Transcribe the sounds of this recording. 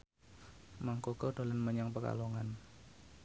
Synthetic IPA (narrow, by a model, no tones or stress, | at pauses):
maŋkoɡɔdolənməɲaŋpəka̰loŋan